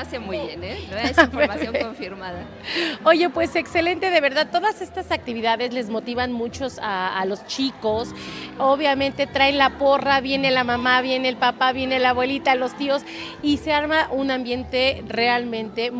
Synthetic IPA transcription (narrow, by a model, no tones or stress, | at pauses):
asmuβjenefmasjoŋoɱfiɾmaða | o̞ʝe̞pwe̞se̞kse̞le̞nt̪e̞ðe̞βe̞ɾðað̚t̪oðase̞st̪asak̚t̪iβiðaðe̞zle̞zmo̞t̪iβanmut͡ʃo̞saːlo̞st͡ʃikosoβjamẽ̞nt̪e̞t̪ɾaenlapo̞raβje̞ne̞lamãmaβje̞neːlpapaβje̞nelaːβwe̞lit̪alo̞st̪io̞s | ise̞aɾmaʔunambje̞nt̪e̞re̞almẽ̞nt̪e̞